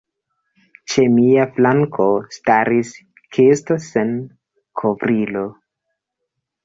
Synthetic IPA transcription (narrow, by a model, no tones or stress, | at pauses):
t͡ʃe̞miaflaŋkʰo̞staɾis | kʰestosen | kʰovɾilo̞